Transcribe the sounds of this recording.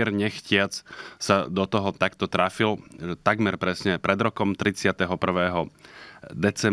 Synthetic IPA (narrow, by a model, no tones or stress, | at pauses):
ɛɾɲɛxcɪat͡ssad̪ɔt̪ɔɦɔt̪akt̪ɔt̪ɾafilʒɛt̪aɡmɛɾpɾɛsɲɛpɾɛd̪ɾɔkɔmt̪ɾit͡sɪat̪ɛɦɔpr̩ʋɛːɦɔ | d̪ɛt͡sɛ